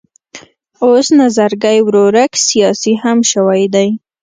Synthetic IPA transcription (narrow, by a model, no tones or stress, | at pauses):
osnazaɾɡajwɾoɾaksijɑsihamʃəwajd̪aj